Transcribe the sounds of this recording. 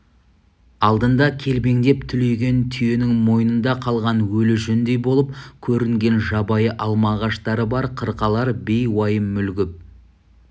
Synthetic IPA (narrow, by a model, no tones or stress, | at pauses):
ɑlˠd̪ənd̪ɑkʲʰe̞lbe̞ŋd̪e̞pt̪ʰʏle̞jɡʲe̞nt̪ʰʏje̞nɪŋmo̞jənənd̪ɑqʰɑlˠʁɑnwɵlɪʒɵnd̪e̞jbo̞lˠəp̚kʲʰɵɾɪŋɡʲe̞nʒɑbɑjəʔɑlˠmɑʁɑʃt̪ɑɾəbɑɾqʰəɾqɑlˠɑɾbe̞jwɑjəmʏlɡʲɪp̚